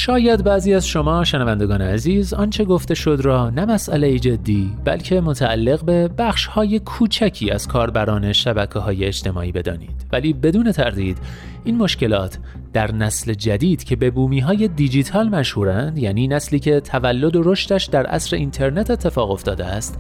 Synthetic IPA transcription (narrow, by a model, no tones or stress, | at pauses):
ʃɒːjæd̪bæːziːæzʃo̞mɒːʃenævænd̪eɡɒːneæziːzɒːnt͡ʃʰe̞ɡo̞ft̪e̞ʃo̞d̪ɾɒːnæmæsʔælejid͡ʒe̞d̪ːiːb̥æ̰lcʰe̞mo̞t̪ʰæːlːe̞ɣbe̞bæxʃhɒːje̞kʰuːt͡ʃʰæcʰiːæz̥kʰɒːɾbæɾɒːne̞ʃæbækʰeɦɒːjeed͡ʒt̪ʰe̞mɒ̰ːʔiːbe̞d̪ɒ̰ːnḭːd̥̪væliːbe̞d̪uːne̞t̪ʰæɾd̪iːd̪ | ʔiːnmo̞ʃce̞lɒ̰ːt̪ʰ | d̪̥æɾnæsle̞d͡ʒæd̪iːd̪̥cʰe̞be̞buːmiːɦɒːje̞d̪id͡ʒit̪ʰɒːlmæʃhuːɾænd̪jæːniːnæsliːcʰe̞t̪ʰævælːo̞d̪o̞ɾo̞ʃt̪æʃd̪æɾʔæ̰sɾe̞ʔint̪ʰe̞ɾne̞t̪ʰe̞t̪ʰːe̞fɒːɣo̞ft̪ɒːd̪ḛæst̪